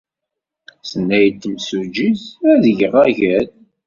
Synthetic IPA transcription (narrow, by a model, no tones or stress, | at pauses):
sənːæjt̪ːəmsud͡ʒizæðəʝəʁæʝæð